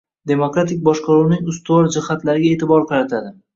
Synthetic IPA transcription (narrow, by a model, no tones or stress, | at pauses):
d̪e̞mokɾat̪ʰɪk̚ʲbɒʃqɑɾuwnɪŋʊst̪ʊɒɾd͡ʒɪhat̪laɾɪɡʲae̞ːt̪ɪbɒɾqʰɑɾat̪ʰad̪ɪ